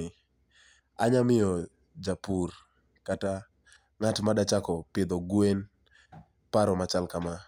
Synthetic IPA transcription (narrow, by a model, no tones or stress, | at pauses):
ɪ | aɲamɪɔ | d͡ʒapur | kata | ŋatmadat͡ʃakɔpɪd̪ɔɡwen | paɾɔmat͡ʃalkama